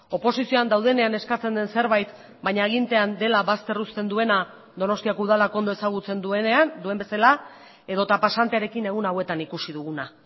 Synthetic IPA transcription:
o̞po̞sisio̞and̪awð̞e̞ne̞ane̞skat͡se̞nd̪e̞nse̞ɾβajt̪ | baɲaeɣ̞int̪eand̪e̞laβast̪e̞rust̪e̞nd̪ue̞na | d̪o̞no̞st̪iakuðalak̞nd̪oesaɣ̞ut͡se̞nd̪ueneand̪ue̞mbe̞sala | e̞ð̞o̞t̪apasant̪eaɾe̞kine̞ɣ̞unawe̞t̪anikusiðuɣuna

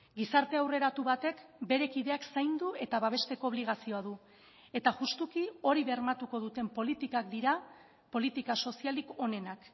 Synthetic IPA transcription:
ɡisaɾt̪e̞awre̞ɾat̪uβat̪e̞kbe̞ɾe̞kið̞e̞aksajnd̪ue̞t̪aβaβ̞e̞st̪e̞ko̞oːβliɣ̞asio̞aðu | e̞t̪aʝust̪ukio̞ɾiβermat̪uko̞ð̞ut̪e̞mpo̞lit̪ikakd̪iɾa | po̞lit̪ikaso̞sialiko̞ne̞nak

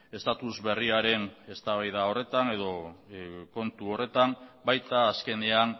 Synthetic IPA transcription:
e̞st̪at̪uzβe̞riaɾe̞ne̞st̪aβajðao̞re̞t̪ane̞ðo̞ | ko̞nt̪uo̞re̞t̪ambajt̪aːske̞ne̞an

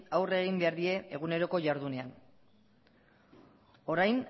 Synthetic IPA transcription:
awre̞ɣimbe̞aɾðie̞ːɣ̞une̞ɾo̞ko̞ʝaɾðune̞an | o̞ɾajn

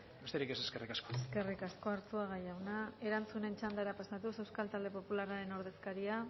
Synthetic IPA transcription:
be̞st̪eɾike̞seske̞rikaskoeske̞rikasko̞aɾt͡suaɣ̞ajawnae̞ɾant͡sune̞nt͡ʃand̪aɾapasat̪use̞wskalt̪ald̪e̞po̞pulaɾaɾe̞no̞ɾð̞e̞skaɾia

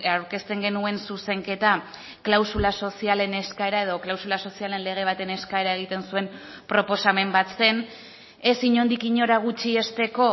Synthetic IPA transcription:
awɾke̞st̪e̞ŋɡe̞nue̞nsuse̞ŋke̞t̪a | klawsulaso̞siale̞ne̞skae̞ɾae̞ð̞o̞klawsulaso̞siale̞nle̞ɣ̞e̞β̞at̪e̞ne̞skae̞ɾae̞ɣ̞it̪e̞nsue̞m | pɾo̞po̞same̞mbat̪t͡se̞n | e̞siɲo̞nd̪ikiɲo̞ɾaɣ̞ut͡ʃie̞st̪e̞ko̞

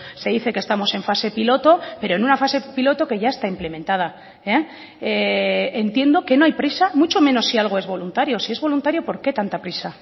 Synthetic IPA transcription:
seðiθe̞kest̪amo̞se̞ɱfase̞pilo̞t̪o̞peɾoenunafase̞pilo̞t̪o̞ke̞ʝae̞st̪aimple̞mẽ̞nt̪að̞a | e | eent̪je̞nd̪o̞ke̞no̞ajpɾisamut͡ʃo̞mẽ̞no̞sːialɣ̞o̞e̞zβo̞lunt̪aɾjo̞sie̞zβo̞lunt̪aɾjo̞po̞ɾke̞t̪ant̪apɾisa

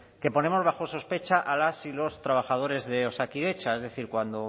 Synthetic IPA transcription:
ke̞po̞nẽ̞mo̞zβaxo̞so̞spe̞t͡ʃaʔalasilo̞st̪ɾaβ̞axað̞o̞ɾe̞zðe̞o̞sakiðe̞t͡ʃae̞zðe̞θiɾkwand̪o̞

